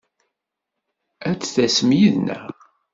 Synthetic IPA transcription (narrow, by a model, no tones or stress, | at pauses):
æt͡sːθæsəmjiðnæ̰